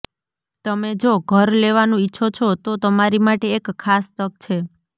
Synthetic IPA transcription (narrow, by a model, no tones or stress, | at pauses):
t̪əmed͡ʒoɡʱəɾleʋanũitːʃʰot͡ʃʰot̪ot̪əmaɾimaʈeːkʰːast̪ək̚t͡ʃʰe